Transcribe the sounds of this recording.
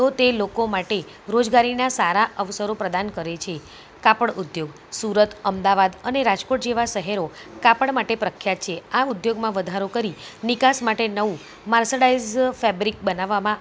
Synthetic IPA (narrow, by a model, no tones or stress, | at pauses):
t̪ot̪elokomaʈe | ɾod͡ʒɡaɾinasaɾaʔəʋsəɾopɾəd̪ankəɾet͡ʃʰe | kapəɽʔud̪joɡ | suɾət̪ʰəmd̪aʋad̪əneɾad͡ʒkoʈd͡ʒeʋaʃəɦɛɾokapəɽmaʈepɾəkʰjat̪̚t͡ʃʰeaud̪joɡmãʋəd̪ʱaɾokəɾinikasmaʈenəʋũ | maɾsəɽaizfɛbɾik̚bənaʋːamã